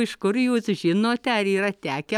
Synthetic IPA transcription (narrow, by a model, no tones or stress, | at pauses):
ɪʃkʊɾjuːsʒʲɪnoːt̪ʲɛɐɾiːɾɐt̪ʲæːkʲɛ